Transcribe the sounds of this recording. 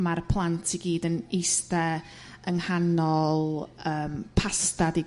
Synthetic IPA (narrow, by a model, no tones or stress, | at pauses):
marpʰlˠantʰiɡiːdənejstɛ | əŋhanɔlˠəːmpʰastadi